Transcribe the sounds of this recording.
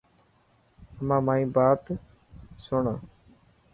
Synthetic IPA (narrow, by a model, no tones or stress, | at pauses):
əmãːmãːĩːbaːt̪ | sʊɳaː